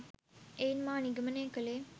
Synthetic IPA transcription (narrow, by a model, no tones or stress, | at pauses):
einmaːniɡəməneːkəleː